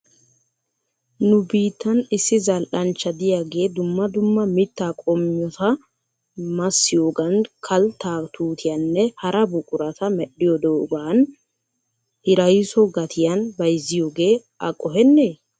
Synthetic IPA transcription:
nʊbiːt̪ːɐnɪsːɪzɐlʔɐnt͡ʃːɐd̪ɪjaːɡe̞ːd̪ʊmːɐd̪ʊmːɐmɪt̪ːaːkʼɔmɪjɔt̪ɐ | mɐsːɪjoːɡɐnkʰɐlt̪ːaːt̪uːt̪ʰɪjɐnːɛhɐɾʔɐbʊkʼʊɾɐt̪ɐmɛɗːɪjɔd̪oːɡaːn | hɪɾɐjsɔɡɐt̪ʰɪjɐnbɐjzːɪjoːɡe̞ː | ɐkʼɔɦɛnːeː

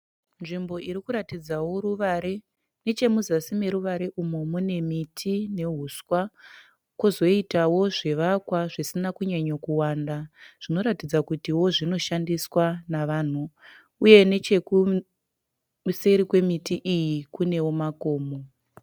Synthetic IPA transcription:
nʐimbo̞ʔiɾikuɾatid͡zawo̞ruʋaɾe | ne̞t͡ʃe̞muzasime̞ɾuʋaɾe̞ʔumo̞mune̞mitʰine̞ɦuswa | kwozo̞itawo̞ʐe̞ʋakwaʐisinakuɲaɲokuwaːndaʐ̥ino̞ɾatid͡zakutiwo̞ʐino̞ʃandiswanaʋaːn̤u | uje̞ne̞t͡ʃe̞ku | seɾikwe̞mitiʔijikune̞wo̞mako̞ːmo

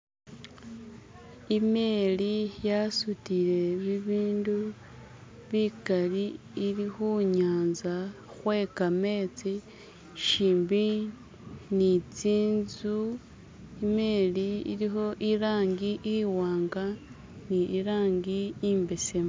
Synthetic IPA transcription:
ime̞lijasutiɾe̞βiβiːndu | βikali | ilixuɲaːnza | xwe̞kame̞ːt͡si | ʃiːmbi | nit͡siːnzu | imeliḭɾixo̞ʔiɾaːŋɡiʔiwaːŋɡa | niʔiɾaːŋɡiiːmbesem

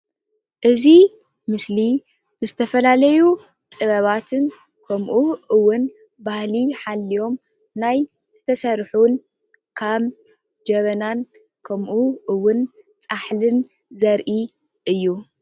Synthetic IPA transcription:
ʔɨzi | mɨsli | bɨzɨt̪ʰɐfɐlalɐju | t̪ʼɨβɐβat̪ʰɨn | kʰɐmʔuʔɨwːʊn | bahliħalːijo̞m | naj | z̥ɨt̪ʰɐsɐɾħun | kʰaβ | d͡ʒɐβɐnan | kʰɐmʔuʔɨwːʊn | t͡sʼaħlɨn | zɐɾʔi | ʔɨjːu

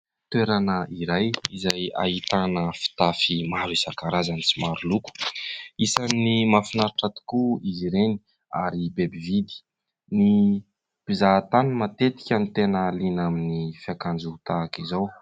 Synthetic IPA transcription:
t̪weɾanəiɾajizaja̰ɦit̪anəfi̥t̪afimaɾuisakaɾazanit͡simaɾuluku̥isanːimafinaɾaʈ͡ʂat̪i̥kuiziɾeni̥ | aɾibebivid̪i̥ | ni | b̥izat̪anumat̪et̪i̥kʲanit̪enəlinaminifjakand͡ʒuut̪aːkizow

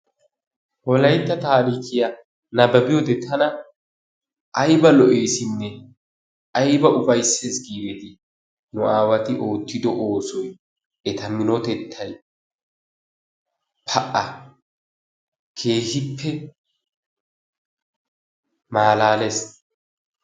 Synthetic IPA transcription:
hɔlɐjt̪ːɐt̪aːɾiːkɪja | nɐbɐbɪjɔd̪ɛt̪ʰɐnɐ | ʔɐjbɐlɔʔeːsɪnːɛ | ʔɐjbɐʔʊfɐjsːeːsɡiːɾɛt̪ɪ | nʊʔaːwɐt̪ɪʔo̞ːt̪ːɪd̪ɔʔoːsɔj | ʔɛt̪ɐmɪnɔt̪ɛt̪ʰːɐj | pʰɐʔɐ | kʰe̞ːhɪpʰːɛ | maːlaːles

